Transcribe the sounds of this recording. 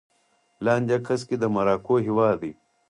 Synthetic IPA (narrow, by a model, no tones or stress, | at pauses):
laːnʲd̪ɐkʰɐskid̪ɐmɐɾaːkoːɦiwaːd̪i